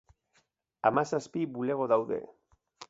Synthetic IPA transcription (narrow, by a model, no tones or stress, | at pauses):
amasaspibule̞ɣ̞o̞ðawðe̞̰